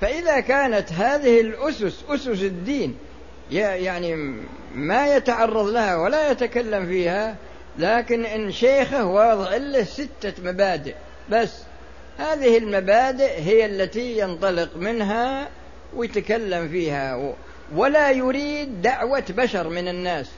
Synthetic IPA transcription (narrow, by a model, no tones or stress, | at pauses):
faʔɪðakaːnat̪ɦaːðɪhɪlʔʊsʊsʔʊsʊsɪd̪ːiːn | jajaʕni | majat̪aʕɑrˤːɑðˤlahawalajat̪akalːamfiːha | laːkɪnʔɪnːʃeːxahwɑːðˤɨʕɪlːɪhsɪt̪ːamabaːd̪ɪʔ | basː | haːðɪhɪlmabaːd̪ɪʔɦɪjːalːat̪ijɪnt̪ˤɑlɪqmɪnɦa | wɪjɪt̪akalːamfiːha | walajʊɾiːd̪ːaʕwabaʃɑɾˤmɪnɪnːaːs